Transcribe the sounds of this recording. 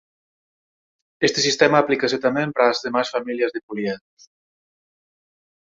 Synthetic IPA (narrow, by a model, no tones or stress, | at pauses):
est̪esist̪ɛmaːplikaset̪amempɾazðemasfamiliəzðepuljɛns